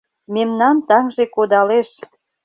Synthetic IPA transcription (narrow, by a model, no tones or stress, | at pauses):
memnɑnt̪ɑŋʒekod̪ɑleʃ